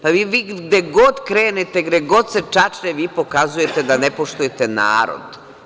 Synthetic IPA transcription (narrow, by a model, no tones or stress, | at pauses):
paʋiːʋiːɡd̪eɡod̪kɾeːnet̪eɡd̪eɡo̞d̪set͡ʃat͡ʃneʋiːpo̞kazuje̞t̪ed̪anepoʃt̪uje̞t̪ena̰ːɾo̰d̪